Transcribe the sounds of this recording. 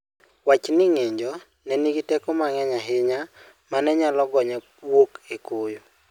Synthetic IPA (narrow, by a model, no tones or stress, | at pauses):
wat͡ʃnɪŋeɲd͡ʒɔ | nɛniɡitɛkɔmaŋɛɲaɦɪɲa | manɛɲalɔɡɔɲɛ | wokekojo